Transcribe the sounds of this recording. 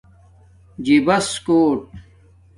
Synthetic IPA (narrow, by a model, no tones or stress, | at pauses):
d͡ʑibɐskoːʈ̚